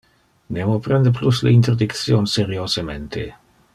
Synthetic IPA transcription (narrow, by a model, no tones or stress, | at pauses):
nemopɾɛnd̪eplusleint̪erd̪ikt̪sjonseɾjosement̪ʰḛ